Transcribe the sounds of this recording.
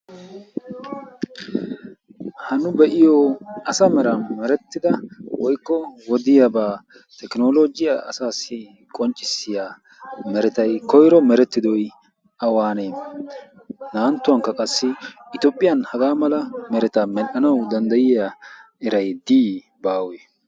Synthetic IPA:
hɐnʊbɛʔɪjɔɐsɐmɛɾɐnmɛɾɛt̪ːɪd̪ɐwɔjkːɔwɔd̪ɪjabaː | t̪ɛknoːloːɡɪjaʔɐ̰saːsːɪ | kʼɔnt͡ʃʼːɪsːɪjaː | mɛɾɛt̪ɐjkɔjɾɔmɛɾɛt̪ːɪd̪ɔj | ɐwaːneː | naːnt̪ːʊwɐŋkːɐkʼɐsːɪɪt̪ɔːpʼːɪjɐnhɐɡaːmɐlɐmɛɾɛt̪ɐmɛʔɐnɐwd̪ɐnd̪ɐjɪja | ɛɾɐjd̪iː | baːwe

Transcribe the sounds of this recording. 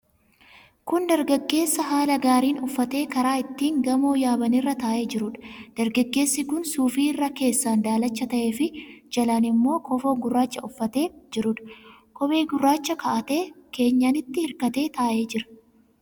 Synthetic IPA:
kʊnd̪ɐɾɡɐɡːe̞ːsːɐɦaːlɐɡaːɾiːnʊfːɐt̪e̞ːkɐɾaːɪt̪ːiːŋɡɐmoːjaːbɐnɪrːɐt̪ɐːʔe̞ːd͡ʒɪɾʊᶑɐ̥d̪̥ɐɾɡɐɡːe̞ːsːɪkʊnsuːfiːrːɐke̞ːsːand̪aːlɐt͡ʃːɐt̪ɐʔe̞ːfɪd͡ʒɐlaːnɪmːo̞ːkɔfoːɡʊrːaːt͡ʃːɐʊfːɐt̪e̞ːd͡ʒɪɾʊᶑɐ̥ | kɔbe̞ːɡʊrːaːt͡ʃːɐkɐʔɐt̪e̞ːke̞ːɲːaːnɪt̪ːɪhɪɾkɐt̪e̞ːt̪aːʔe̞ːd͡ʒɪɾɐ̥

